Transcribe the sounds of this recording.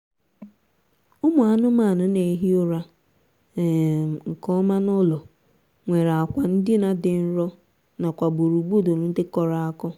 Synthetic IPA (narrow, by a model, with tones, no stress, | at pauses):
ʊ˦mʊ˨a˨nʊ˦ma˦˨nʊ˦ne˨˦ɦi˦ʊ˦ɾa˦˨ | ŋ̩˨kɔ˦ma˦nɔ˦lɔ˨ | ŋʷe˨ɾa˨a˨kʷa˨n̩˦dɪ˦na˦dɪ˨n̩˦ɾɔ˦ | na˨kʷa˨ɡ͡bo˨ɾu˨ɡ͡bu˦˨do˨nʊ˨˦n̩˦dɪ˦kɔ˨ɾa˨a˦kɔ˦